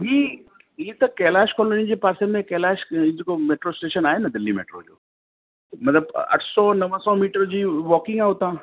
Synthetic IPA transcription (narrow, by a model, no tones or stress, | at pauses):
biː | it̪ɐkɛːlaːʃkɔːlonid͡ʑeːpaːɾsemẽkɛːlaːʃid͡ʑekomeːʈɾosʈeːʃənaːɦenɐd̪ɪlːimḛːʈɾo̰d͡ʑo̰ː | mɐt̪ləbɐ̰ʈʰsɔnɐʋəsɔmiːʈəɾd͡ʑiːʋɔːkɪ̃ŋɡaɦʊt̪ãː